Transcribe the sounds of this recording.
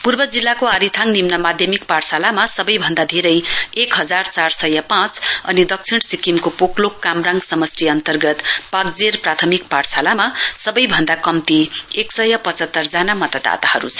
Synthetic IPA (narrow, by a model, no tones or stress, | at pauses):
purbʌd͡zilːakoaɾit̪ʰaŋnimnʌmad̪ʱjʌmikpaɽsalamasʌbʌjbʱʌnd̪ad̪ʱeɾʌjekɦʌd͡zart͡sarsʌjʌpãt͡sʌ̰nid̪ʌk̚t͡sʰiɽ̃sikimkopoklokːamraŋɡsʌmʌsʈiʌnt̪ʌrɡʌt̪pak̚d͡zerprat̪ʰʌmikparsalamasʌbʌjbʱʌnd̪akʌmt̪ieksʌjʌpʌt͡sʌt̪ːʌrd͡zanamʌt̪ad̪a̰t̪ahʌɾṵt͡sʰʌ